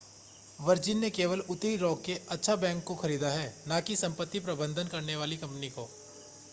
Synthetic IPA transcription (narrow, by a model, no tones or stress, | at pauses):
ʋɐɾd͡ʒɪnːekeːʋəlʊt̪ɾiɾɔːkkeɐtːʃʰabɛ̃ːŋkːoxɐɾiːd̪aɦɛːnãːkisɐ̃mpət̪ːipɾɐbə̃nd̪ʱənkɐɾneʋaːlikɐ̃mpnikoː